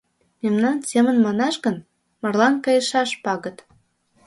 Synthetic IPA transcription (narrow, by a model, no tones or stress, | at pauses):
memnɑnsʲemə̆nmɑnɑʃɣən | mɤ̆rlɑnkɑjə̆ʃɑʃpɑɣə̆t̪